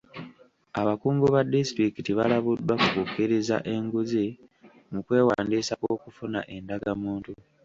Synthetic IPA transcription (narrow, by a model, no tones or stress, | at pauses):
aβakuːŋɡoβadːistɾikitiβalaβudːwakukukːiɾeza̰ʔe̞ŋɡuze | mukwe̞ːwaːndiːsako̞kufuna̰ʔe̞ndaɡamuːntu